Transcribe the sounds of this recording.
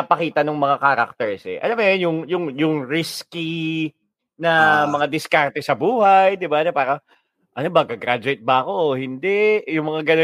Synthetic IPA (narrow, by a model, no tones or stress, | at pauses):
ɐpɐkiːt̪ɐnʊŋmɐŋakaːɾɐ̰k̚t̪ɛɹsɛ̰ʔɐ̰lɐmɛnjʊŋjʊŋjʊŋɾiski | nɐmɐŋad̪ɪskaɾt̪ɛsɐbuːhajd̪ɪbanɛpaːɾɐ | ʔɐnobɐɡɐɡɾad͡ʒʊɛjt̪̚bɐɐko̞hɪnd̪ɛjʊŋmɐŋaɡɐno